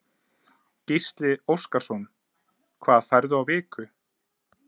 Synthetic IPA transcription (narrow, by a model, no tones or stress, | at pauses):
cist̪lɪowskaɾ̥sɔn | kʰvaːðfɛɾðʏawvɪːkʏ